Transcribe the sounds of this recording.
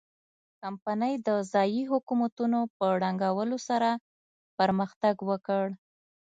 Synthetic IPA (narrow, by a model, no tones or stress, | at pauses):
kampanəjd̪əzɑjiɦʊkumat̪unopəɽaŋɡawəlosaɾa | pəɾməxt̪aɡwəkəɽ